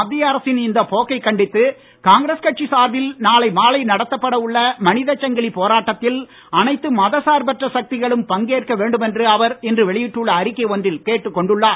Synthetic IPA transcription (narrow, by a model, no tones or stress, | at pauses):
ɐd̪ːɪjɐɐɾɐsɪnɪnd̪ɐpoːkɐɪkːɐɳɖɪt̪ːɯ | kaːŋɡɾeskɐʈ̚t͡ʃisaːɾʋɪlnaːlɐɪmaːlɐɪnɐɽɐt̪ːɐpːɐɽɐɯɭːɐmɐnɪðɐt͡ʃːɐŋɡɐɭipoːɾaːʈːɐt̪ːɪl | ɐnɐɪt̪ːɯmɐðɐsaːɾbɐʈrɐsɐk̚t̪ɪɣɐɭɯmpɐŋɡeːrkɐʋeːɳɖɯmɛndrɯɐʋɐɾɛndrɯʋɛɭɪjɪʈːɯɭːɐːɾɪkːɐɪɔndrɪlkeːʈːɯkːɔɳɖɯɭːaː